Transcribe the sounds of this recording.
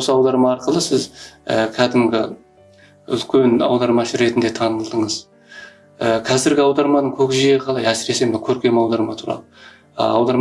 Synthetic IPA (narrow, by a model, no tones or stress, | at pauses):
wwosəɑwd̪ɑɾmɑɑɾqəlˠəsɪzə̰kʲʰæd̪ɪmɡʲɪ̰ | ʏ̰lkʲe̞nɑ̰wd̪ɑɾmɑʃəɾe̞t̪ɪnd̪e̞t̪ʰɑnəlˠd̪əɴəz | əkʲʰæzɪɾɡʲɪɑwd̪ɑɾmɑnəɴkʲʰɵkʲɪʒejeqʰɑlˠɑjæsɪɾe̞se̞mɪkʲʰɵɾkʲe̞mɑwd̪ɑɾmɑt̪ʰuɾɑ̰lˠə̰ | ɑwd̪ɑɾm